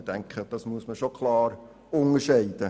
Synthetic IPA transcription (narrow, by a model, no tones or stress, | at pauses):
dɛŋkχəd̥ɑsmuəsməʃokʰlɑːɾ | ʊŋəʃɛɪd̥ə